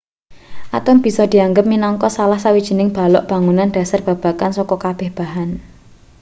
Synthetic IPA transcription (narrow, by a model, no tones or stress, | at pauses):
ʔat̪ʊnb̥i̤sɔd̪̥i̤aŋɡəp̚minɔŋkɔsalahsawid̥ʒ̥i̤nɪŋb̥a̤lɔ̰ʔb̥a̤ŋunand̥a̤sarb̥a̤b̥a̤kansɔkɔkab̥ɛhb̥a̤ɦan